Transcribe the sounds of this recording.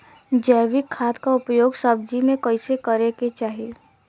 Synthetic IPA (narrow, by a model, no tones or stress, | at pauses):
d͡ʒɛːʋɪkʰːaːt̪kaʊpjoːɡsɐb̚d͡ʒimẽkəɪsekəɾeket͡ʃaːɦie